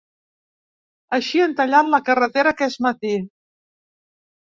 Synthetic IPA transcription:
əʃiənt̪əʎanləkərət̪eɾəkɛzmət̪i

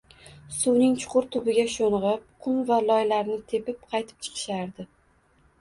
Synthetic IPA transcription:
suwnɪŋt͡ʃʰʊ̥qʰʊɾt̪ʰʊbɪɡʲaʃonʁɨp̚qʰʊnvalɒjlaɾnɪt̪ʰe̞pɪp̚qʰɑjt̪ʰɪ̥p̚t͡ʃʰɨ̥qʰɨ̥ʃaɾd̪ɪ

